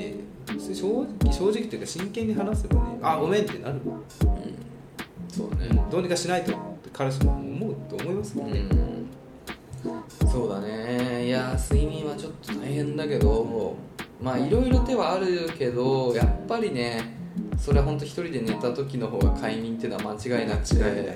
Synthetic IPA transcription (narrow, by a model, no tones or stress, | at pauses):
nḛ | et͡sɨɲʲiɕoːikʲiɕo̞ːʑikʲi̥t̪ejːkaɕĩŋkẽ̞ɲ̟ːiɦanasɨmoneʔaɡo̞mẽ̞nt̪ːe̞̰naɾɯ̟ɯ̰̃ɴ | so̞ːd̪̰nḛd̪o̞ːɲ̟ikaɕinait̪ot̪ːekʰaɾaɕ̬imːmo̞ɯ̟t̪ːo̞ːmo̞imasɨ̥kɯ̃ | so̞ːd̪ane̞jasɨimʲĩɰ̃βat͡ɕo̞t̪ːo̥t̪aiɦẽ̞nd̪ake̞d̪o̞ | maːiɾo̞iɾo̞t̪e̞βaːɾɯ̟ke̞d̪o̞japːaɾʲine̞so̞ɾe̞aɦõ̞nt̪oçi̥t̪o̞ɾʲid̪e̞ne̞t̪at̪o̞kʲino̞ɦo̞ːɡa̰kʰaiɲ̟ĩnt̪eɯːnoβa̰mat͡ɕiɡainakɯ̥t͡ɕi̥d̪e